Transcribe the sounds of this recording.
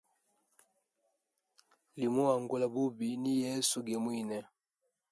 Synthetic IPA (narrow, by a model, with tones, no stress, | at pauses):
li˨mu˦a˨ŋɡu˦la˨bu˦bi˨ni˦jɛ˦su˨ɡɛ˨mwi˦˨nɛ˨